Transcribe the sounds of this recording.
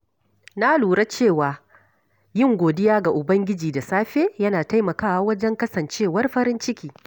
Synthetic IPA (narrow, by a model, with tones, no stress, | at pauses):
na˦luː˨ɽa˦t͡ʃeː˦˨waː˨ | jɪ˦ŋɡʷoː˨dɪ˦jaː˦ɡa˨ʔʊ˨bɐ˦ŋɡʲɪ˦d͡ʒiː˨da˨saː˦ɸeː˦jɐ˦naː˨ta˦jmɐ˨kaː˦wa˦wɐ˦d͡ʒɛ˦ŋkɐ˦sɐ˨nt͡ʃeː˦˨wɐ˦rɸɐ˦ɾɪ˦nt͡ʃɪ˦kʲiː˨